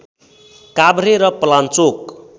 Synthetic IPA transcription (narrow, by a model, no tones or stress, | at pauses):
kabɾeɾʌpʌlant͡sok